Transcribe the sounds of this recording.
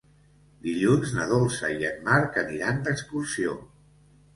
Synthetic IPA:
d̪iʎunznəð̞olˠsəiənmaɾkəniɾand̪əkskursio

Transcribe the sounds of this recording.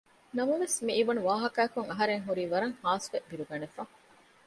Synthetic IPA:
nɐmɐʋesmiːʋɐnuʋaːɦɐkɐːkuŋɐɦɐɾeŋɦuɾiːʋɐɾɐŋhaːsʋebiɾuɡɐnefɐ

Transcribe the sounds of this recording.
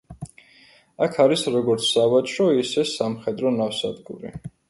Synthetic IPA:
akʰaɾisɾɔɡɔɾt̪sʰːavat͡ʃʰɾɔisɛsamχɛd̪ɾɔnafsad̪ɡṵɾḭ

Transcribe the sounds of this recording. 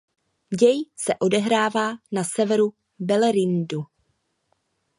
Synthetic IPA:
ɟɛjsɛʔo̞dɛɦɾaːvaːnasɛvɛɾu | bɛlɛɾɪndu

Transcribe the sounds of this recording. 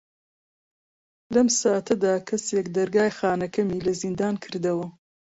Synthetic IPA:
lɐmsaːt̪ʰɐd̪aːkʰɐseːkd̪ɐɾɡaːjxaːnɐkʰɐmiːlɐzind̪aːnkʰɨɾd̪ɐwɐ

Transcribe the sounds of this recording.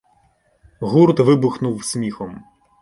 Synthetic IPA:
ɣuɾt̪ʋɪbʊxnuwsʲmʲixɔm

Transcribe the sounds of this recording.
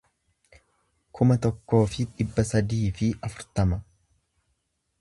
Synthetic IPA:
kʰʊmɐt̪ɔkːo̞ːfɪᶑɪbːɐsɐd̪iːfɪʔɐfʊɾt̪ɐmɐ

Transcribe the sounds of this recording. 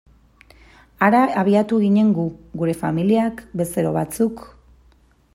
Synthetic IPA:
aɾaːβ̞iat̪uɣiɲe̞ŋɡuɡuɾe̞familiakbe̞seɾoβat͡suk

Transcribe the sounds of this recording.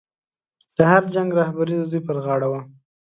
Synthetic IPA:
d̪̥əhaɾd͡ʒaŋɡɾɑhbaɾid̪əd̪ujpəɾɣɑɽawa

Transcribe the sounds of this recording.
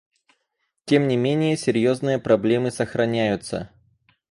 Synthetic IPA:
tʲe̞mnʲɪmʲenʲɪjəsʲɪɾʲjo̞znɨjəpɾɐblʲe̞mɨsəxɾɐnʲæjʊt̪sə̰

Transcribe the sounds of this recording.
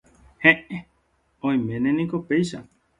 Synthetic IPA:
hẽʔe | õĩmẽnẽnĩkopejʃa

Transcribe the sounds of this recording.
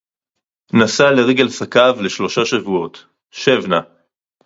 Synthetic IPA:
nasaleʁeɡelsakavle̞ʃlo̞ʃaʃavuo̞t̪ | ʃevna

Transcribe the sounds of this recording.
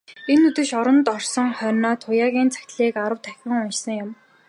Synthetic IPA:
enːɵt̪ɵ̆ʃɔɾɞ̆nt̪ɔrsɞ̆ŋχœrʲnɔːt̪ʰʊjaːɣʲiːnt͡sʰḁxʲt̪ɮiːkaɾə̆wt̪ʰæxʲɪ̆ŋʊnt͡ɕsə̆ŋjʊm

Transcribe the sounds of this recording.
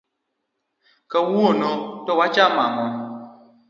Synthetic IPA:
kawuonotɔwat͡ʃamaŋɔ

